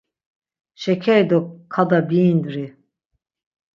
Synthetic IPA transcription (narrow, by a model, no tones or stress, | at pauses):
ʃɛkʰɛjd̪ɔkʰːad̪abiːnd̪uɾi